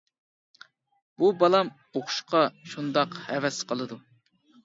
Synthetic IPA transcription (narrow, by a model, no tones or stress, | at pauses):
b̥ubɑlˠɑm | oχʰʊ̥ʃqɑʃund̪ɑqhɛvɛsqʰəlˠɨd̪u